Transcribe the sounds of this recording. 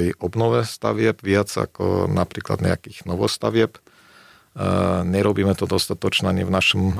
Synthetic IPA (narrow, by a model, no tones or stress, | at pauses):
ɛjɔbnɔʋɛst̪a̰ʋɪɛbʋɪad͡za̰kɔ̰napɾiːkla̰d̪ɲɛ̰a̰kiːɣnɔʋɔst̪aʋɪɛp | ɲɛɾɔbiːmɛt̪ɔd̪ɔst̪at̪ɔt͡ʃnɛaɲɛvnaʃɔm